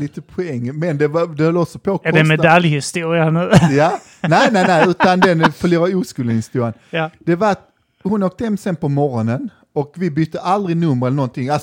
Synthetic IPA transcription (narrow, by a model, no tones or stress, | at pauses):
liːt̪əpʰʊɛŋːmɛnd̪ɛvad̪ɛhœlːɔksɔpʰɔkɔɛmɛd̪aljhɪst̪uːɾɪanʉjaː | næɪnæɪnæɪʉ̟ːt̪and̪ɛnfœɾluːɾauːskʉːlənɪst̪uːɾɪand̪̥ɛvat̪ | hʊnoːk̚t̪əhɛmsɛnpʰɔmɔɾɔnən | ɔkvɪbʏt̪ʰːəʔald̪ɾɪnɵmːəɾɛlənɔnt̪ʰɪŋals